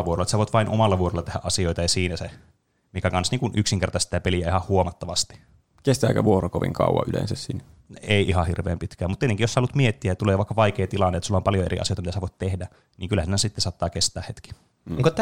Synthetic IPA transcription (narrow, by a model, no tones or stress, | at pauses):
ʋuorolːet̪sæʋoˑit̪ʋɑinʔomɑlːɑʋuorolːɑt̪ehæʔʔɑsioit̪ɑjɑsiːnæse | mikækɑnsniːŋkunʔyksiŋkert̪ɑst̪it̪ːæpeliæihɑhhuomɑt̪ːɑʋɑst̪i̥ | kest̪æːkæ̰ʋuorokoʋḭŋkɑ̰ˑṵwɑ̰ʔylḛnsæssinæ | eˑiʔihɑhirʋḛːmpit̪kæːmut̪t̪ieteŋkijoslːut̪miet̪ːiæjɑt̪uleːʋɑˑikːɑʋɑikeːt̪ilɑnːet̪ːsulːɑompɑljoḛrḭɑ̰sijojt̪ɑmtæsæʋoˑit̪t̪ehdæ | niːŋkylhæsiːnæsit̪ːesɑˑt̪ːɑːkest̪æːhet̪ki̥ | ŋkot̪